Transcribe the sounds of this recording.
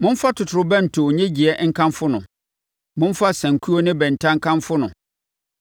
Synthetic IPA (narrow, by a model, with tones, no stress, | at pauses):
mʊ̃˦m̩˦fa˦tʰʊ˨tʰʊ˨ɾʊ˨˦bɛ̃˦n̩˨tʰʊ˨ɲɛ̃˦d͡ʑi˨ɛ˨ŋ̩˦kʰã˦mfʊ˦nʊ̰̃˨ | mʊ̃˦n˦fa˦sæ̃˨ŋ˨kʰu˦o˦nɪ̃˦bɛ̃˨n̩˨tʰã˦ŋ̩˦kʰã˦mfʊ˦nʊ̃˨